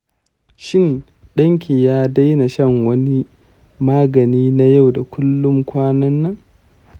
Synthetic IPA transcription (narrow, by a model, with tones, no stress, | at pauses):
ʃɪ˦˨n | ɗɐ˦ŋkʲi˨jaː˦da˦jna˨ʃɐ˦˨ŋwɐ˦ni˦ | maː˦ɡɐ˨niː˦na˦ja˦˨wda˨kʷʊ˦lːʊ˦ŋkʷaː˦nɐ˦nːɐ˦˨ŋ